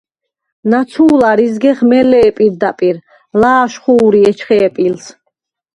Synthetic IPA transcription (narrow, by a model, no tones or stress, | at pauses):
nat̪sʰuːlaɾizɡɛχmɛlɛːpʼiɾd̪apʼiɾ | laːʃχuːɾiɛt͡ʃʰχɛːpʼils